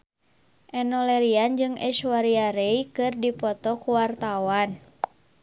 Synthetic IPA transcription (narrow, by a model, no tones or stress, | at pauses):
ʔɛnɔlɛɾiand͡ʒɨŋɛʃuwaɾiaɾejkɨrdipɔt̪ɔkuwart̪awan